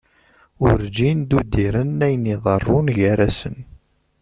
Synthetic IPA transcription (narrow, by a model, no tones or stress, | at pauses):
ʊɾd͡ʒind̪ud̪iɾənːæjəniðˤərˤːʊnʝæɾæsən